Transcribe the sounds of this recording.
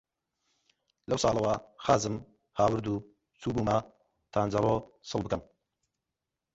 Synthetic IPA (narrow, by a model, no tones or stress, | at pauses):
lɐwsɑːlˠɐwaxaːzɨm | haːwɨɾd̪u | t͡suːbuːma | t̪ʰaːnd͡zɐrosɨlˠbɨkɐm